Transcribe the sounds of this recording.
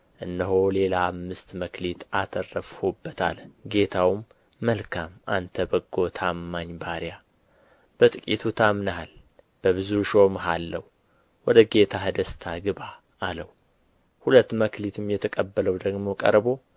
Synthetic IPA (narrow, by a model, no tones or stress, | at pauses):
ʔɨnːəɦole̞laːmːɨst̪məkʰlit̪ʰat̪ʰərəfhobːət̪ʰa̰lɡe̞t̪ʰawmː | əlkʰamant̪ʰəbəɡːo̞t̪ʰamːaɲbaɾja | b̥ət̪ʼɨkʼit̪ʰut̪ʰamnaal | b̥əβɨzuʃo̞mɦalːəw | wɔd̪əɡe̞t̪ʰaɦəd̪əst̪ʰaɡɨβaː | ləw | hulət̪ːməklit̪ʰɨmjɛt̪ʰəkʼəbːələwd̪əɡmo̞kʼə̰ɾbo̞